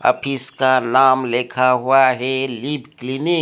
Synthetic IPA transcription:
a̰pʰiskanamlekʰaɦwaɦelibklini

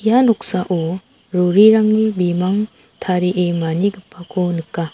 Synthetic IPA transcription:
ijanɔk̚saʔo | ɾoɾiɾaŋnibimaŋ | tʰaɾiʔemaniɡɯpʰːakʰonɯkːa

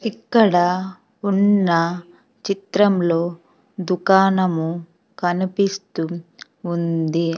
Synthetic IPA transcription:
ikːɐɽɐ | unːɐ | t͡ʃit̪ɾɐmlo̞ː | d̪ukaːnɐmu | kɐnipist̪uː | nd̪i

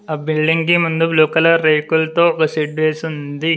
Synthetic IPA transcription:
aːbiɭɖiŋɡkimund̪ubluːkɐlɐɾejkulɐt̪o̞ːɔkɐsiɖʋeːsund̪i

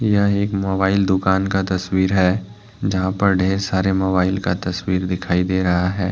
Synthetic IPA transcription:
jɐɦeːkmoːbaːɪld̪ʊkaːnkat̪ɐswiːɾɦɛː | d͡ʒɐɦãpɐɾɖʱeːɾsaːɾemoːbaːɪlkat̪ɐswiːɾd̪ɪkʰaːid̪eːɾɐɦaɦɛː

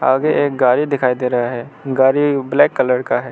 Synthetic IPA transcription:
aːɡeʔeːk̚ɡaːɾid̪ɪkʰaːid̪eːɾɐɦaɦɛːɡaːɾiblɛːkːɐləɾkaɦɛː

